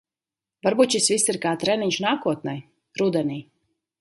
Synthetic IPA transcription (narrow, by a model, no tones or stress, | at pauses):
vaɾbuːt̪ʃisvisːiɾkaːt̪ɾɛniɲʲʃnaːkuɔt̪̚nɛj | ɾud̪ɛniː